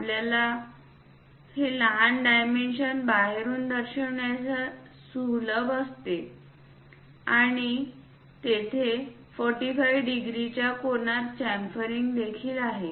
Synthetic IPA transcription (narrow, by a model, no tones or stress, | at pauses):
apljala | heləɦanɖajmenɕənbaɦeɾuːnd̪əɾɕəʋɳjat͡sa | suɦləbəst̪e | aɽ̃i | t̪et̪ʰe | fɔɾʈifajʋɖiɡɾit͡ɕjakonat̪t͡ɕæmpəɾiŋɡd̪ekʰiːlaɦe